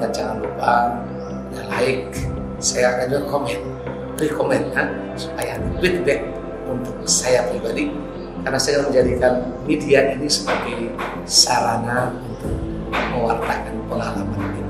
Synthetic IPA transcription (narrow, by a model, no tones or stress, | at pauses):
kaɲt͡ʃaŋanlupaŋ | nalaɪk | sajakaɲd͡ʒuakomɛn | ɾikomɛnt̪ɲa | su̥pajanibit̪̚bɛk̚ | unt̪ʊk̚sajapɾibadi | karnasajaməɲd͡ʒadikanmediaʔinisə̥baɡaj | saɾanaunt̪ʊk̚ | məwart̪akanpəŋaalamanini